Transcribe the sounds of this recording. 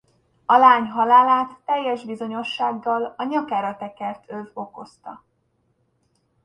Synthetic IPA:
ɒlaːɲɦɒlaːlaːt̪ːɛjːɛʒbizo̞ɲo̞ʃːaːɡːɒlɒɲɒkaːɾɒt̪ɛkɛrt̪ʰøvo̞ko̞st̪ɒ̰

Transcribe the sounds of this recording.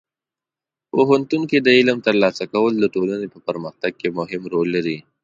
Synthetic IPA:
oɦʊnt̪unked̪əɪləmt̪ɐɾlɑsakawəld̪əʈolanepəpəɾməxt̪aɡ̚kemʊɦɪmɾolːɐɾi

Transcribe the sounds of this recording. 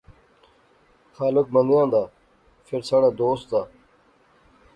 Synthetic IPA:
xaːluk̚mɐnd̪jãːnd̪aː | feɾsaɽaːd̪oːst̪̚d̪aː

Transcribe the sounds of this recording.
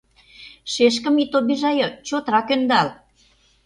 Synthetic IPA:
ʃeʃ̬kə̆mit̪obiʒɑjot͡ɕot̪ɾɑkønd̪ɑl

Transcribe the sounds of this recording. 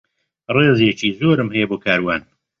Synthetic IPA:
reːzjet͡ʃiːzoːɾɨmhɛjɛboːkʰaːɾwaːn

